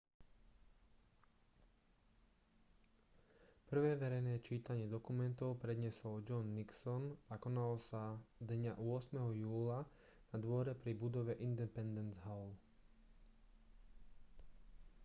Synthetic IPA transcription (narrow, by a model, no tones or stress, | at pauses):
pr̩ʋɛːʋɛɾɛjnɛːt͡ʃiːt̪aɲɪɛd̪ɔkumɛnt̪ɔʊpɾɛd̪ɲɛsɔld͡ʒɔnːiksɔnakɔnalɔsad̪ɲaʔuɔsmɛɦɔjuːla | nad̪ʋɔɾɛpɾibud̪ɔʋɛʔind̪ɛpɛnd̪ɛnzɦaʊl